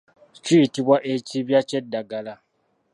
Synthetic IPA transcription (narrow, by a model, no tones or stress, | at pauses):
t͡ʃiitiβwaʔeciβjat͡ʃedːaɡala